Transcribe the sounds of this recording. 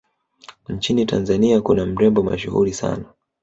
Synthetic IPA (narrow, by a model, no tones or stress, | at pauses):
ɲ̩t͡ʃinitʰa̰nzaniakunam̩ɾɛmbɔma̰ʃuhṵɾisa̰na